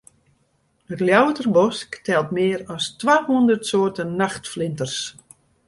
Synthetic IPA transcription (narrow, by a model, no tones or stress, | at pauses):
hətljawətərbɔsktʰɛlˠtmɪːərɔstʋaːhundərtsoːrtənnaxtflɪntərs